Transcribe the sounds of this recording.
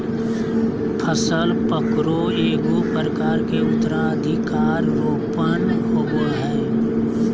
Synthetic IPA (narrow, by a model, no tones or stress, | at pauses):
pʰəsəlpəkɾo | eːɡopəɾəkaːɾkeʊt̪ːəɾaəd̪ʱɪkaːɾʋoːpənɦoːɡoɦɛː